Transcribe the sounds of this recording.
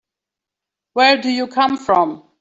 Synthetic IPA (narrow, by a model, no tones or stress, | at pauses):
wɛɹdujukʰʌ̃mfɹɔ̃m